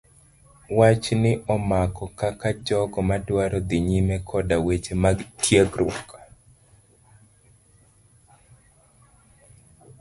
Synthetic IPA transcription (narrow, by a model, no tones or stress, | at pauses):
wat͡ʃnɪʔɔmakɔkakad͡ʒɔɡɔmadwaɾɔd̪ɪɲimɛkʰɔdawet͡ʃematʰjeɡɾʊɔk